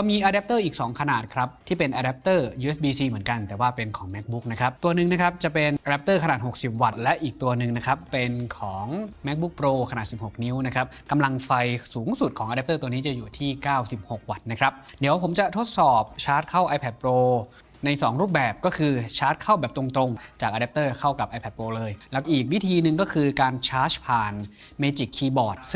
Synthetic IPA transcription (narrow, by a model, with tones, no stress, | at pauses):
ɔ˧miː˧ʔaː˧dɛ˦˥p̚t̪ɤː˥˩ʔiː˨˩k̚sɔː˩˦ŋkʰa˧naː˨˩t̪̚kʰɾa˦˥p̚t̪ʰiː˥˩pe˧nʔaː˧dɛ˦˥p̚t̪ɤː˥˩juː˧ʔe˦˥sbiː˧siː˧mɯ˩˦ənka˧nt̪ɛː˨˩waː˥˩pe˧nkʰɔː˩˦ŋmɛ˦˥k̚bu˦˥k̚na˦˥kʰɾa˦˥p̚t̪u˧ɐnɯ˧ŋna˦˥kʰɾa˦˥p̚t͡ɕa˨˩pe˧nʔaː˧ɾɛ˦˥p̚t̪ɤː˥˩ka˧naː˨˩t̪̚ho˨˩k̚si˨˩p̚wa˨˩t̪̚lɛ˦˥ʔiː˨˩k̚t̪u˧ɐnɯ˧ŋna˦˥kʰɾa˦˥pːe˧nkʰɔː˩˦ŋmɛ˦˥k̚bu˦˥k̚pɾoː˧kʰnaː˨˩t̪̚si˨˩p̚ho˨˩k̚ni˦˥wna˦˥kʰɾa˦˥p̚ka˧mla˧ŋfa˧jsuː˩˦ŋsu˨˩t̪̚kʰɔː˩˦ʔa˧ɛ˦˥t̪ɤː˥˩t̪u˧əniː˦˥t͡ɕa˨˩juː˨˩t̪ʰiː˥˩kaː˥˩wsi˨˩p̚ho˨˩k̚wa˨˩t̪̚na˦˥kʰɾa˦˥p̚di˨˩˦əwpʰo˩˦mt͡ɕa˨˩t̪ʰo˦˥t̪̚sɔː˨˩p̚t͡ɕʰaː˦˥t̪̚kʰa˥˩wʔa˧pʰɛ˨˩t̪̚pɾoː˧ | na˧jsɔː˩˦ŋɾuː˥˩p̚bɛː˨˩p̚kɔː˥˩kʰɯː˧t͡ɕʰaː˦˥t̪̚kʰa˥˩wbɛː˨˩p̚t̪ɾo˧ŋt̪ɾo˧ŋt͡ɕaː˨˩k̚ʔa˧dɛ˦˥p̚t̪ɤː˥˩kʰa˥˩wka˨˩p̚ʔaː˧jpʰɛ˨˩t̚pɾoː˧lɤː˧jlɛ˦˥kʔiː˨˩k̚wi˦˥t̪ʰiː˧nɯ˨˧ŋkɔː˥˩kʰɯː˧kaː˧nt͡ɕʰaː˦˥t͡ɕpʰaː˨˩n | meː˧t͡ɕi˨˩kʰːiː˧bɔː˨˩t̪̚s